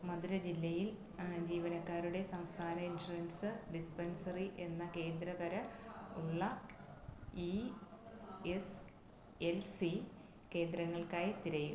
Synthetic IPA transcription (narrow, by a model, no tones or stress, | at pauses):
mɐd̪uɾɐd͡ʑilːɐjil | d͡ʑiːʋɐnɐkːaːɾuɽe̞sɐmst̪ʰaːnɐinʂuɐnsɨɖispɐnsɐriʔe̞nːɐke̞ːnd̪ɾɐðɐɾɐuɭːɐ | i | es | elsi | ke̞ːnd̪ɾɐŋːɐɭkaːjt̪iɾɐjṵ